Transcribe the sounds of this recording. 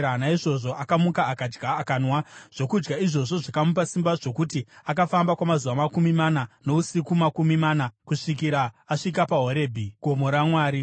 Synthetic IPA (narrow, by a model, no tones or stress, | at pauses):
anaiʐo̞ʐo̞ʔakamukaːkad͡ʒɡaːkaːnwaʐ̥o̞kud͡ʒɡaiʐo̞ʐo̞ʐakamup̬asimbaʐo̞kutiak̬afambakwamazuʋamakumimanano̞usikumakumimanakuʂik̬iɾaːʂikapaɦoɾe̞ːbʱiɡ̥ʱo̞mo̞ɾamwaːɾi